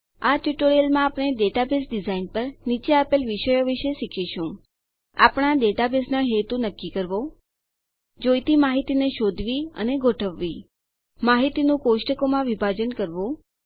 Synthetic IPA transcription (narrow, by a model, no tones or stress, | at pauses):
aʈuʈoɾijəlmãːpɳ̃eɖeʈabesɖizainpəɾnit͡ʃeapelʋiʃəjoʋiʃeʃikʰiʃũ | a̰pɽ̃aɖeʈabesnaɦet̪ũnəkːikəɾʋo | d͡ʒojt̪imaɦit̪ineʃod̪ʱʋiə̰neɡʱoʈʰəʋːi | maɦit̪inũkoʃʈəkomãʋibʱad͡ʒənkəɾʋũ